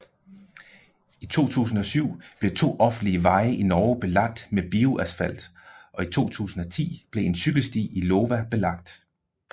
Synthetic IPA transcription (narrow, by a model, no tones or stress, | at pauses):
it͡sʰo̝̰ːt͡sʰṵːsn̩ɒ̽syʊ̰b̥le̝t͡sʰo̝̰ːʔɒ̽fn̩liəʋɑ̈ɪəʔinɒːb̥e̝lɑ̈ɡ̥̚d̥meb̥io̝ʔæsfæl̰d̥ʔɒ̽it͡sʰo̝̰ːt͡sʰṵːsn̩ɒ̽t͡sʰḭːb̥le̝e̝nsyɡ̥l̩sd̥ḭːiloːʋæb̥e̝lɑ̈ɡ̥̚d̥